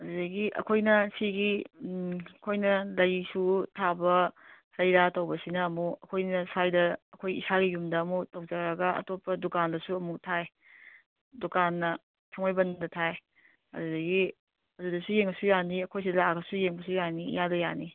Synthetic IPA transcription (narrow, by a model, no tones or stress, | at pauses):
ɐdudɐɡiʔɐ̰kʰojnɐsiɡi | ɐkʰojnɐlɐjsutʰabɐsɐjɾatɐwbɐsinɐːmuɐkʰojnɐsajdɐːkʰojḭsaɡijumdɐːmutɐwd͡ʒaɾɐɡɐɐ̰topːɐdukandɐsuɐmutʰaj | dukanːɐ | tʰɐŋmajbɐndɐtʰaj | ɐ̰dudɐɡi | ɐdudɐsujeŋbɐsujaniɐkʰojs̬idlaɡɐsujeŋbɐsujanḭjadɐjani